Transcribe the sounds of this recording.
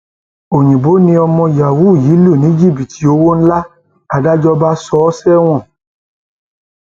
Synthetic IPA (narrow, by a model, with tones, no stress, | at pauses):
o˨ɲ̃ĩ˨bo˨˦nĩ˧ɔ˧mɔ̃˧ja˨wu˦˨ji˨˦lu˦˨nĩ˨˦d͡ʒi˦˨pi˨ti˨˦o˨˦wo˦n̩˦la˦ | a˧da˦d͡ʒɔ˦ba˦sɔ˦sɛ˦w̃ɔ̃˦˨